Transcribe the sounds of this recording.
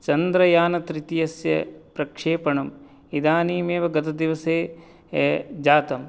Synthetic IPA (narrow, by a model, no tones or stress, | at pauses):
t͡ʃɐnd̪ɾɐjaːnɐt̪ɾit̪ijɐsjɐ̰pɾɐkʂeːpɐɳɐm | id̪aːniːmeːʋɐɡɐt̪ɐd̪iʋɐseː | d͡ʒaːt̪ɐm